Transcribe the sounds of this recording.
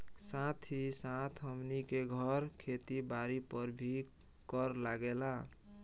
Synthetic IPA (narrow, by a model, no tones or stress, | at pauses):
sãt̪ʰisãt̪ʰɦəmnikeɡʱʌɾkʰet̪ibaɾipʌɾbʱi | kʌɾlaɡela